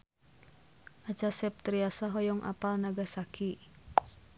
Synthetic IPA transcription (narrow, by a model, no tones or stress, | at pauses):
ʔat͡ʃasɛp̚t̪ɾiasaɦɔjɔŋʔa̰palnaɡasakʰi